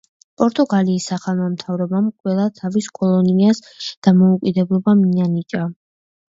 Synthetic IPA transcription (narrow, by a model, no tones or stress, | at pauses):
pʼɔɾt̪ʼɔɡaliːsːaχanɔmt̪ʰavɾɔbamqʼwɛlˠat̪ʰaviskʼɔlˠɔnias | d̪̥amɔukʼid̪ɛblˠɔbaminanit͡ʃʼa